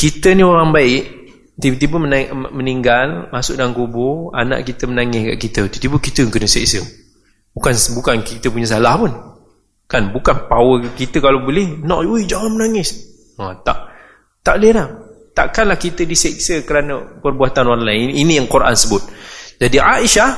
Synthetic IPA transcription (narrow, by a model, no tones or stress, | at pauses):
kit̪ənĩoɾaŋbaɪʔ | t̪it̪ibəmənaməniŋɡalmasʊʔ̚daŋkubʊa̰na̰ʔkit̪əmənaŋɪska̰ʔkit̪ət̪ut̪ibəkit̪əkənəsɛ̰ʔsə | bukansbukankit̪əpuɲəs̬alahpʊn | kanbukanpawəkit̪əkalabəlɛhnɔʔwid͡ʒaamənaŋɪs | ət̪a̰ʔ | t̪aʔleɾah | t̪a̰ʔkanlahkit̪ədiseʔsəkəɾanəpərbuat̪anɔɾaŋlaɪninijaŋkuɾʔa̰nsəbʊt̪̚d͡ʒadiaʔiʃah